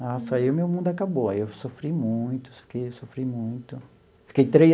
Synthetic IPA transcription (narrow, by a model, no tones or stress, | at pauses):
asaiʊmewmũd̪ʊakaboajewsofɾimũj̃t̪ʊ̥ffi̥kejewsofɾijmũj̃t̪ʊ | fi̥kejt̪ɾe